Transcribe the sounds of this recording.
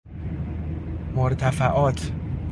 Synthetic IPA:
moɾt̪ʰæfæʔɒːt̪ʰ

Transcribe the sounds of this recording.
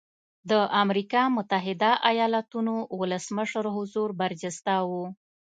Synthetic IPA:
d̪əʔamɾikɑmʊt̪aɦɪd̪aʔajɑlat̪unowʊləsməʂəɾɦʊzuɾbaɾd͡ʒɪst̪awu

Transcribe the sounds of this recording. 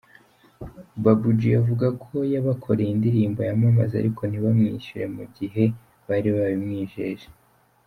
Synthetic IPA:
babud͡ʒijavuɡakʰo̞jaβakʰo̞ɾejindiɾiːmbo̞jamamaza̰ɾikʰo̞n̥iβamŋiʃuɾe̞muɟiɦe̞ | βaɾiβaβimŋiːʒeːʒe̥

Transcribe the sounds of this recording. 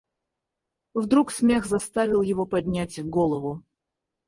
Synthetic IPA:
vd̪ɾuksmʲexzɐst̪avʲɪlˠjɪvopɐdʲnʲætʲɡolˠəvʊ

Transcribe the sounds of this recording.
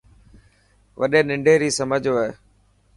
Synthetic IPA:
ʋəɗeːnɪ̃ɳɖʱeːɾiːsəməd͡ʑʱoeː

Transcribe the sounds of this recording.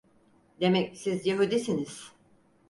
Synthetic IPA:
d̪e̞mɛcsizjaɦud̪isiniz̥

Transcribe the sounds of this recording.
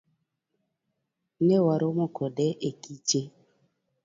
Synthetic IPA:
newaɾomokɔdɛʔekit͡ʃe

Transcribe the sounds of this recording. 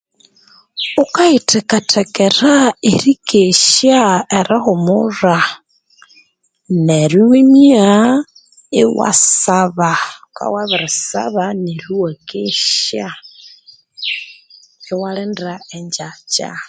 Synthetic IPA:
ukaitʰekatʰekeɾaiɾikeʃjaeɾɪxumura | neɾiwemia | iwa̰saβaka̰waβiɾisa̰βaneɾiwakeʃa | iwalendɾaeɲd͡ʒat͡ʃa̰

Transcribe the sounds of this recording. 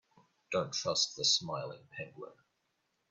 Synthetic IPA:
d̥õʊ̃ntʰɹ̥ʌs̚ðəsmaɪlˠɪ̰̃ŋpʰɛ̃ŋɡlə̰̃˞

